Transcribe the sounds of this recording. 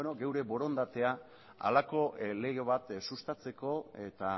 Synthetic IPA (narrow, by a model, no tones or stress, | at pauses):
noɡe̞wɾe̞βo̞ɾo̞nd̪at̪e̞a | a̰lako̞le̞ɣe̞β̞at̪sust̪at͡se̞ko̞e̞t̪a